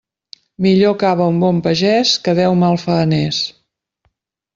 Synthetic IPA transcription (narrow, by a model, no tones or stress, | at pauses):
miʎokaβəumbɔmpəʒɛskəðɛwmalˠfənɛs